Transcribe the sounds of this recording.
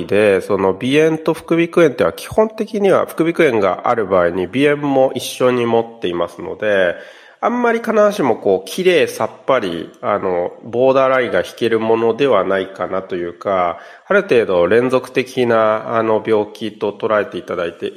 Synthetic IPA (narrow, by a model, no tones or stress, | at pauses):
d̪e̞so̞no̞bʲiẽ̞nt̪o̞ɸɯ̟̥kɯ̟bʲikɯ̟ẽ̞nt̪eiβakʲi̥hõ̞nt̪e̞kʲiɲ̟iβ̞a̰ɸɯ̥kɯ̟bʲikɯ̟ẽ̞ŋɡa̰ʔa̰ɾɯ̟baːiɲ̟ibʲiẽ̞mːo̞ʔiɕːo̞ɲ̟imo̞t̪ːe̞imasɨno̞̰d̪e̞ | amːaɾʲikanaβaɕimo̞ko̞ːkʲʰiɾe̞ːsapːaɾʲḭano̞bo̞ːd̪aɾaiɡaçi̥ke̞ɾɯ̟mo̞no̞d̪e̞βanaikanat̪o̞jɯ̟ːka | aɾɯ̟t̪e̞ːd̪o̞ɾẽ̞nd͡zo̞kɯ̟̥t̪e̞kʲinaːno̞bʲjo̞ːkʲit̪o̞t̪o̞ɾae̞t̪e̞it̪ad̪ait̪e̞